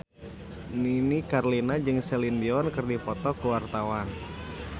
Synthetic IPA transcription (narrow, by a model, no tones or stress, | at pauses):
ninikarlinad͡ʒɨŋsɛlindiɔnkɨrdipɔt̪ɔkəwart̪awan